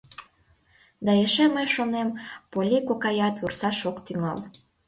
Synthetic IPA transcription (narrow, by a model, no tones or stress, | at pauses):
d̪ɑeʃeməjʃonempolʲikokɑjɑt̪βursɑʃokt̪yŋɑ̰l